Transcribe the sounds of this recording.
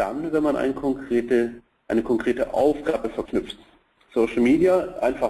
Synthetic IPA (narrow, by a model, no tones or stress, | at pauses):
d̥a̰nvɛnmanʔa̰ɪnkʰɔŋkʁ̥eːtə | ʔaɪnəkʰɔŋkʁ̥eːtəʔa̰ʊfɡ̥aːbəfɛɐknʏp͡ft | soʊʃl̩miːdijaʔaɪnfa